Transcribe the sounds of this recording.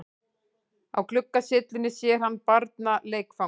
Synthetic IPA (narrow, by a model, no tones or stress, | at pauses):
a̰wkʰlʏkːasɪt̪lɪnːɪsjɛɾ̥hanːpaɾt̪naleːjkfa